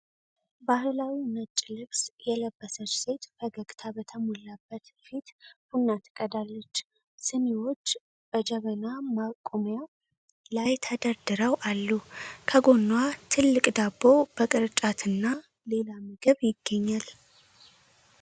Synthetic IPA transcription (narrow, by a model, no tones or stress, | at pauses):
bahlawinət͡ʃʼːilɨbsjɛləbːəsət͡ʃːse̞t̪fəɡəɡt̪ʰabət̪ʰəmolabːət̪fit̪b̥unːat̪ʰːɨ̥kʼəd̪alːət͡ʃː | sɨnewo̞t͡ʃː | b̥əd͡ʒəβənamakʼomja | lajt̪ʰəd̪əɾd̪ɨɾəwʔalːukʰəɡo̞nːwat̪ʰɨlːɨkʼd̪abːo̞b̥əkʼɨɾt͡ʃʼat̪ʰɨnːa | le̞lamɨɡɨβjɪɡːəɲːal